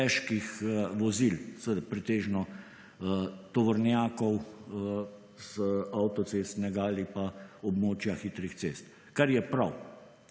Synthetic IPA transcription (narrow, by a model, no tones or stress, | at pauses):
ɛʃkixʋɔzilsəʋed̪apɾɛt̪eːʒnɔ | t̪ɔʋɔɾnjaːkɔw | z̥awt̪ɔt̪sest̪nɛɡaalipaɔbmoːt͡ʃjaxit̪ɾixt̪sest̪ | kaɾjɛpɾaw